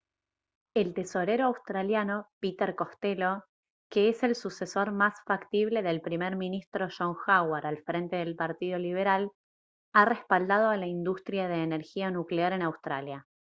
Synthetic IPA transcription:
elt̪e̞so̞ɾe̞ɾoawst̪ɾaljano̞pit̪eɾko̞st̪elo̞ | ke̞ese̞lsuse̞so̞ɾmasfakt̪iβ̞le̞ðe̞lpɾimeɾminist̪ɾo̞ʃoŋxawaɾalfɾe̞nt̪e̞ðe̞lpaɾt̪ið̞o̞liβe̞ɾal | are̞spald̪að̞o̞alaind̪ust̪ɾjað̞e̞ːneɾxianukleaɾe̞nawst̪ɾalja

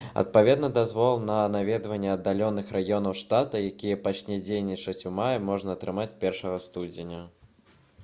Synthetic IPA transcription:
ɐ̰t̪̚pavʲɛd̪nɐd̪azvɔlˠnɐnavʲɛd̪vɐnʲːɛɐd̪ːalʲɔnɨxɾajɔn̪ɐwʂt̪at̪ɐjakʲijɛpat͡ʂnʲɛd͡zʲejnʲit͡ʂɐt͡sʲumajɐmɔʐnɐːt̪ɾɨmat͡sʲpʲɛrʂɐɣɐst̪ud͡zʲɪnʲɐ

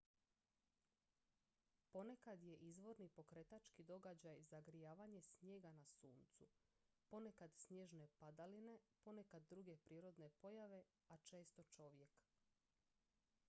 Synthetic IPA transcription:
po̞nekad̪je̞ʔizʋo̞ɾnipo̞kɾet̪at͡ʃkid̪o̞ɡad͡ʑajzaɡɾijaːʋaɲe̞sɲje̞ːɡanasuːnt̪su | po̞nekad̪sɲje̞ʒne̞pad̪aline̞po̞nekad̪ːɾuɡe̞pɾiːɾo̞d̪ne̞po̞jaʋe̞ | at͡ʃe̞ːst̪o̞t͡ʃo̞ʋje̞k

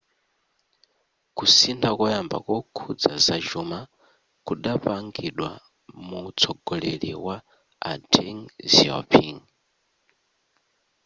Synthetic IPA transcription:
kusintʰakɔjamba̰kɔkʰud͡zazad͡ʒuma | kuɗapaŋɡiɗwa̰ | mut͡sʰɔɡɔlɛliwa | a̰tʰɛŋziɔ̰pʰiŋ

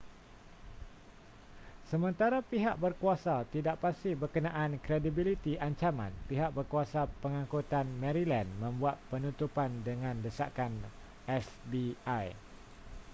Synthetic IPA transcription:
səmə̃nt̪aɾapiɦa̰ʔ̚bərkuasat̪idaʔpast̪ɪhbərkənãʔankɾedibilit̪iʔaɲt͡ʃamã̰npiɦaʔ̚bərkuasapəŋãŋkut̪anmɛ̃ɾilãnmə̃mbuat̪̚pənũt̪upandəŋãndəsa̰kan | ɛsbiaj

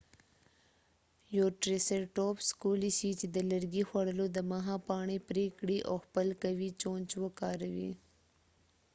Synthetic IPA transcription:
joːʈɾeseɾʈoːpskulisit͡ʃed̪əlɐɾɡixwɐɽəlod̪əmaɦɑ̃pɑːɳipɾekɽiʔoːxpəlkawit͡ʃõːnt͡ʃwokɑːɾawḭ

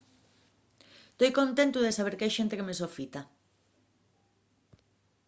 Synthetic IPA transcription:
st̪ojkont̪ent̪ʊðesaβ̞eɾkajʃent̪ekemesofit̪a

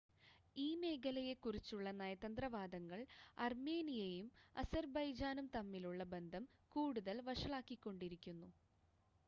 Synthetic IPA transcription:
iːme̞ːɡɐlɐjekːurit͡ɕːuɭːɐnɐːjɐt̪ɐnd̪rɐʋaːd̪ɐŋːɐɭɐrmeːnijɐjumɐ̰sɐrbɐjd͡ʑaːnumt̪ɐmːiluɭːɐbe̞nd̪ʱɐmkuːɽuðɐlʋɐʂɐɭaːkːikʲːo̞ɳɖiɾikʲːunːu

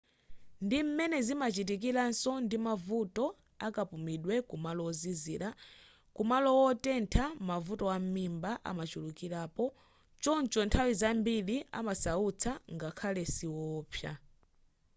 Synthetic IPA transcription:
ndim̩mɛnɛzimat͡ʃitikiɾansɔndimavutɔ | akapumiɗwɛkumalɔɔziziɾa | kumalɔwɔtɛntʰamavutɔwam̩mimbaʔa̰mat͡ʃulukiɾaːpɔ | t͡ʃɔnt͡ʃɔntʰawizambilia̰masaut͡sʰaŋɡakʰalɛsiwɔːpʰja̰

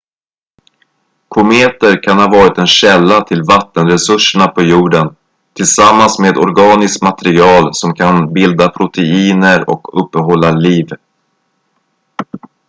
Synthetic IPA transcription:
kʰʊmeːt̪əɾkʰanhɑːvɑːɾɪt̪ɛnɕɛlːat̪ʰɪlvat̪ːənɾɛsɵʂəɳapʰɔjuːɖən | t̪ʰɪlsamːansmeːd̪ɔɾɡɑːnɪskmat̪ɛɾɪɑːlsɔmkʰanbɪld̪apʰɾʊt̪ʰɛiːnəɾɔ̰kɵpːəɦɔlːaliːv

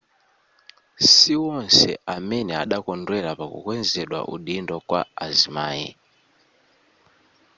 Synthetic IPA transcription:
siwɔnsɛ̰amɛnɛaɗakɔndwɛɾapakṵkwɛnd͡zɛɗwa̰ʔṵɗindɔkwa̰azimaːjḭ

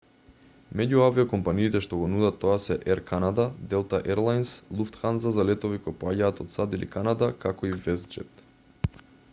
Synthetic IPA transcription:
mɛɟuaviɔkɔmpaniːt̪ɛʃt̪ɔɡɔnud̪at̪ːɔasɛʔɛɾkanad̪ad̪ɛlˠt̪aʔɛɾlˠajnslˠuft̪xanzazalɛt̪ɔvikoɔjpoaɟaːt̪ɔt̪sad̪ilḭkanad̪akakɔivɛzd͡ʒɛ̰t̪

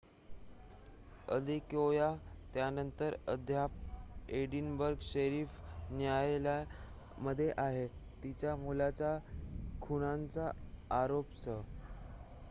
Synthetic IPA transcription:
ə̰d̪ikojat̪janənt̪əɾəd̪ʱjapeɽinbəɾɡɕəɾiːfnjajlja | məd̪ʱːjeʔaɦet̪it͡ɕjamulat͡ɕakʰuɽ̃ant͡saːɾopsə

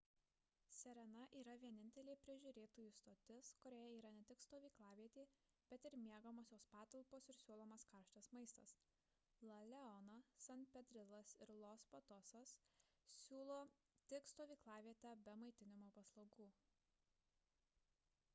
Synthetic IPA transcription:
sʲɛɾʲɛnɐʔiːɾɐʋʲiɛnʲɪnʲt̪ʲɛlʲeːpʲɾʲɪʒʲuːɾʲeːt̪oːjuːst̪oːt̪ʲɪskʊɾʲoːjɛiːɾɐnʲɛt̪ʲɪkst̪oːʋʲiːklˠɑːʋʲiɛt̪ʲeː | b̥ʲɛt̪ɪɾmʲiɛɡɐmoːsʲoːspɑːt̪ɐlˠpoːsɪɾsʲuːlˠoːmɐskɐɾʃt̪ʲɛsmɐɪst̪ɐs | lˠɐlʲɛɔnɐsɐnʲt̪pʲɛd̪ʲɾʲɪlˠɐsɪɾlˠoːspɐt̪ɔsɐs | sʲuːlˠoː | t̪ʲɪkst̪oːʋʲiːklˠɑːʋʲiɛt̪ʲɛbʲɛmɐɪt̪ʲɪnʲɪmoːpɐslˠɐʊɡuː

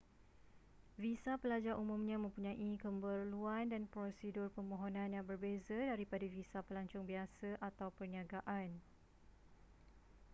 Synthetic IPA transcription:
visapəlad͡ʒaɾʔumũmɲãmə̃mpuɲãʔikəmbərluandanpɾosidʊrpəmõɦonãnjaŋbərbezədaɾipadavisapəlaɲt͡ʃʊŋbiasəʔat̪awpərniaɡaʔan

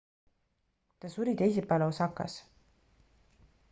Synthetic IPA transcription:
t̪ɑsuɾit̪ejs̬ipːɑlosɑkːˑɑ̰s

